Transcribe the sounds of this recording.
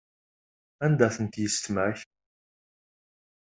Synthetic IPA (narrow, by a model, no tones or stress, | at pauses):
ænd̪æθənt̪jəst̪məç